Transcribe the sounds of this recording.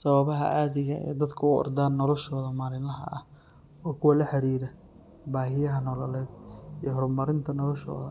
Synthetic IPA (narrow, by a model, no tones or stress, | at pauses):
sɐβɐβɐɦɐ̰ʔaːðɪɣɐʔɛ̰ːd̪ɐd̪kʰɐʊɔ̰rd̪aːnːɔlɔʃɔːðɐmaːlɪnlɐɦɐ̰ʔɐh | ɔːkʰʊwɐlɐħɑɾiːɾɐ | baːɦɪjɐɦɐnɔlɔlɛːd̪ijɞɦɔrmɐɾɪnt̪ʰɐnɔlɔʃɔ̰ːðɐ